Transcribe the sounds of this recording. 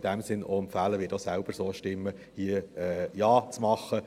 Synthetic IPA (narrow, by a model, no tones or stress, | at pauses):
d̥æmsɪnʔo̰ɛmfæːləʋɪːdosæʊb̥əɾsoːʃtɪmːə | hiəɛːjɑːt͡smɑχːə